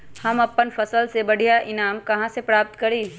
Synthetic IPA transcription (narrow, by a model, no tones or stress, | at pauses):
hɐmɐpːənfɐsəlsebɐɽ̤ʱijaʔɪnaːmkɐɦãsepɾaːp̚t̪kɐɾiː